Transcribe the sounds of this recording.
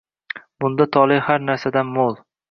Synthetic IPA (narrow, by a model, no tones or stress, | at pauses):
bʊnd̪at̪ʰɒlˠɪhaɾnaɾsad̪anmolˠ